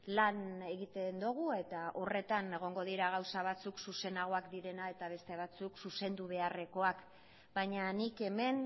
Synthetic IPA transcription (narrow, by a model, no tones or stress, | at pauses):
lane̞ɣit̪e̞nd̪uɣ̞ue̞t̪aʔo̞re̞t̪ane̞ɣ̞o̞ŋɡo̞ðiɾaɣ̞awsaβ̞at͡suksuse̞naɣ̞o̞akd̪iɾe̞nae̞t̪aβ̞e̞st̪e̞β̞at͡suksuse̞nd̪uβ̞e̞are̞ko̞ak | baɲanike̞me̞n